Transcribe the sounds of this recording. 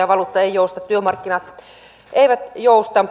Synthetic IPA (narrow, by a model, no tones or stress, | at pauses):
ɑʋɑlut̪ːɑeˑijoˑust̪ɑt̪t̪yømɑrkːinɑt̪ | ʔeˑiʋæt̪joˑust̪ɑm